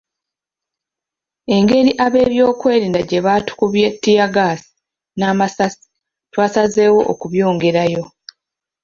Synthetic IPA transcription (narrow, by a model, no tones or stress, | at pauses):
e̞ŋɡe̞ɾiʔaβe̞ːβjo̞ːkwe̞ːɾiːndaɟe̞βaːtu̥kuβjetːijaɡaːsi̥ | naːmasasi̥ | twaːsaze̞ːwo̞̰ʔokuβjo̞ːŋɡe̞ɾajo̞